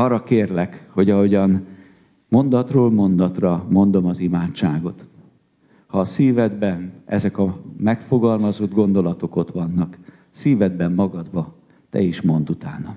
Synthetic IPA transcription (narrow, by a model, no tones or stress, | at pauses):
ɒrːɒkeːrlɛkho̞ɟɒɦo̞ɟɒn | mo̞nd̪ɒt̪roːlmo̞nd̪ɒt̪rɒmo̞nd̪o̞mɒzimaːt͡ʃt͡ʃːaːɡo̞t̪ | hɒːsiːvɛd̪bɛnɛ̰zɛkɒmɛkfo̞ɡɒlmɒzod̪ɡo̞nd̪o̞lɒt̪o̞ko̞t̪ʋɒnːɒk | siːvɛd̪bɛmːɒɡɒd̪bɒ | t̪ɛ̰iʃmo̞nd̪ut̪a̰ːnɒ